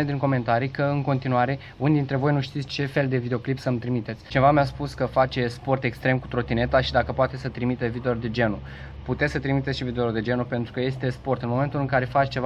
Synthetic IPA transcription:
ed̪iŋko̞me̞nt̪aɾikəɨŋko̞nt̪inuaɾe̞ | unid̪int̪ɾe̞vo̞jnuʃt̪it̪sʲt͡ʃe̞fe̞ld̪e̞vid̪eoklipsəmt̪ɾimit̪et̪sʲt͡ʃievameaspuskəfat͡ʃe̞spo̞rt̪e̞kst̪ɾe̞mku̥t̪ɾo̞t̪ine̞t̪aʃid̪akəpoat̪esət̪ɾimit̪evid̪eord̪e̞d͡ʒe̞nu | put̪esət̪ɾimit̪et̪sʃivid̪eord̪e̞d͡ʒe̞nupe̞nt̪ɾukəje̞st̪e̞spo̞rt̪ɨnmo̞me̞nt̪ulɨŋkaɾe̞fat͡ʃt͡ʃe̞va

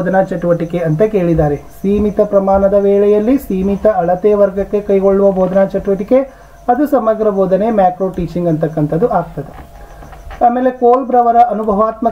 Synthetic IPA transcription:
d̪ɐnaːt͡ʃɐʈuʋɐʈike̞ɐnt̪ɐke̞ːɭid̪aːɾesiːmit̪ɐpɾɐmaːnɐd̪ɐʋeːɭɛjɐlːisiːmit̪ɐɐɭɐt̪eːʋɐɾɡɐkːe̞kɐjɡo̞ɭːuʋɐbʱoːd̪ɐnaːt͡ʃɐʈuʋɐʈike | ɐd̪usɐmɐɡɾɐboːd̪ɐne̞mjaːkɾoːʈiːt͡ʃiŋɡɐnt̪ɐkːɐnt̪ʰɐd̪uʔaːɡt̪ɐd̪e | aːmeːle̞koːlbɾɐʋɐɾɐʔɐnubʱɐʋaːt̪mɐ

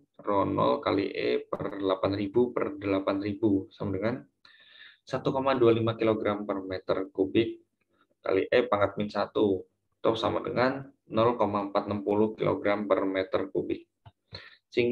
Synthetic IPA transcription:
ronɔ̰lkalḭʔḛpərlapanribupərdəlapanribusamadəŋan | sat̪ukomadualimakiloɡɾampərmɛt̪ə̰rkubɪk̚ː | a̰liʔepaŋat̪̚minsat̪u | t̪ɔsamadə̰ŋanː | ɔlkomaəmpat̪̚nəmpuluhkilo̰ɡɾampərmɛt̪ərkubɪk̚ | siŋ

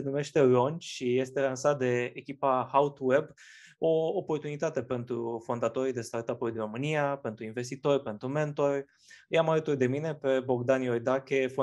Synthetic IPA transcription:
enume̞ʃt̪e̞lo̞nt͡ʃʃije̞st̪e̞lansat̪̚d̪e̞ːkʲipahawt̪we̞b | o̞ːpo̞rt̪unit̪at̪e̞pe̞nt̪ɾufo̞nd̪at̪o̞ɾid̪e̞st̪art̪apujd̪iɾo̞mɨniape̞nt̪ɾuinve̞st̪it̪o̞rʲpe̞nt̪ɾume̞nt̪o̞rʲ | jamalət̪urd̪e̞mine̞pe̞bo̞ɡd̪anjo̞jd̪akʲefo

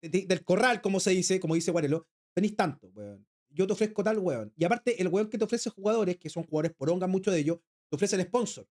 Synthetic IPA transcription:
ed̪id̪e̞lko̞ralko̞mose̞ðisekomoðisewaɾelo | d̪̥eniht̪ant̪owḛon | ɟ͡ʝot̪̬efɾehkot̪alweoniapaɾt̪eʔelɣweoŋket̪eo̞fɾesexuɣað̞o̞ɾehkesoŋxuɣaðoɾepoɾoŋɡamːut͡ʃoðeʝos | t̪eo̞fɾeselehpo̞nsoɾ

